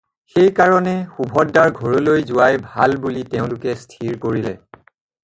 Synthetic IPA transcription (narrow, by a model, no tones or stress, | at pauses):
xejkaɹɔnɛxubʱɔdːaɹɡʱɔɹɔlojzʊwajbʱa̰lbulitɛʊ̃lʊkɛstʰiɹkoɹilɛ̰